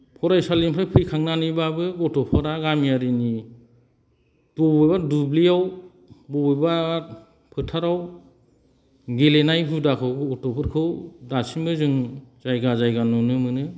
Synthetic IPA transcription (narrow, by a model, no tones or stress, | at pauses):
pʰɔɾajsalimpʰajpʰɯjkʰaŋnanibabɯɡɔtɔpʰɯɾaɡamijaɾini | tɔbɔjbadubliaw | bɔbɔjba | pʰɯtʰaɾaw | ɡelenajbudakʰɯwɡɯɔtɔpʰɯɾkʰɯwdasimbɯzɯŋzajɡazajɡanunɯmɯnɯ